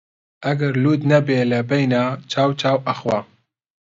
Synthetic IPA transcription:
ʔɐɡɐɾluːd̪nɛbeːlɐbɛjnaːt͡ʃʰaːwt͡ʃʰaːwʔɐxwa

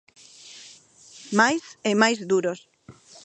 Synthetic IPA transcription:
majsemajzðuɾos

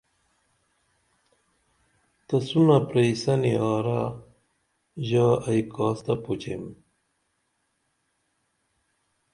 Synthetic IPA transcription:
t̪ɐsunɐpɾejsɐniɑːɾa | ʑaːɐjkaːst̪ɐpot͡ɕem

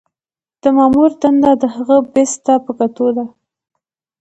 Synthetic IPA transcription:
d̪̥əmɑmuɾd̪and̪ad̪əhaɣəbest̪apəkat̪od̪a

